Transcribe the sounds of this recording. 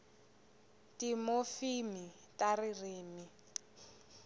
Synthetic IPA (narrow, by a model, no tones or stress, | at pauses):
timofimi | taririːmi